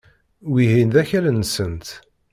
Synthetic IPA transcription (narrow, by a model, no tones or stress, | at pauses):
wiɦind̪æçælənːsənt̪